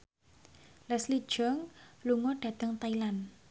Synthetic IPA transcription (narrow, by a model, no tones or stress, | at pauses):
lɛsli̥ʒ̥ɔŋluŋɔɖ̥a̤d̪̥əŋt̪ailan